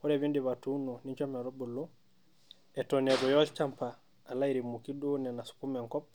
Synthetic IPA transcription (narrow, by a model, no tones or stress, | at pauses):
ɔɾɛβindiβatununiɲt͡ʃɔmɛɾobulːu | ɛtoneɡɔjɔlt͡ʃampaː | laiɾimukidunɛnasu̥kumɛŋkɔp̚